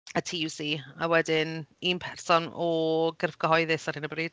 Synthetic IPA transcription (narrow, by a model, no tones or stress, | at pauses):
ətʰiːjuːsiːa̰wɛdɪninpʰɛrsɔnɔɡɪrfɡɔɦɔɨðɪsḁɪnəbriːd̥̚